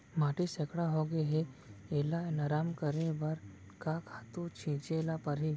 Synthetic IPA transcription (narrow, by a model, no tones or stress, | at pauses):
maːʈisekɽaɦoɡeɦeeːlaenaɾaːmkəɾebɐɾ | kakʰaːt̪ũt͡ʃʰĩːt͡ʃelapɐɾɦi